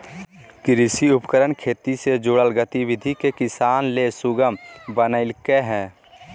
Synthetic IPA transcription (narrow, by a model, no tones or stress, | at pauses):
kɪɾɪsiʊpkəɾəɳkʰeːt̪ised͡ʒʊɽəlɡət̪iwɪd̪ʱikekɪsaːnlesʊɡəmbənəɪlkeɦɛ̃ː